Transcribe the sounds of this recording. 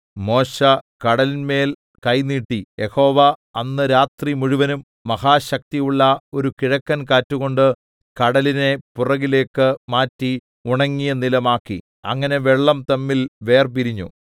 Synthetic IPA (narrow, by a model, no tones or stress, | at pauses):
mo̞ːɕɐkɐɽɐlinme̞ːl | kɐjniːʈːijʔe̞ho̞ːʋɐɐnːɨɾaːt̪rimuɻuʋɐnumːɐhaːɕɐk̚t̪ijuɭːɐo̞ɾukiɻɐkːɐnkaːtːuɣo̞ɳɖɨ | kɐɽɐline̞purɐɣile̞ːkːɨmaːtːi | uɳɐŋːijɐnilɐmaːkːḭ | ɐ̰ŋːɐne̞ʋe̞ɭːɐmt̪ɐmːilʋe̞ːrp̬iɾiɲːṵ